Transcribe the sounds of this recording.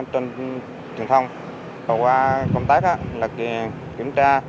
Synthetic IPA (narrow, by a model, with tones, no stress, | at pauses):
t͡ɕɔ˧n | t͡ɕɨ˨˩əŋt̪ʰə˧wŋ͡m | ə˨˩wkwaː˧kɔ˧wŋ͡mt̪aː˦˥k̚ʔa̰ː˧˥laː˨˩ki˨˩ən | kḭ˧˩əmt͡ɕaː˧